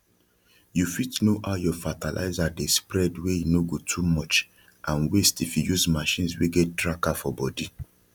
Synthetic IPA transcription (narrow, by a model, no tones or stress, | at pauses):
jufitnoʔaʊjɔfatalʔa̰ɪzadespɹɛdwejinoɡotʰumɔt͡ʃ | ãnwestifjujuzmaʃĩnsweɡɛt̚dɹakafɔbɔdi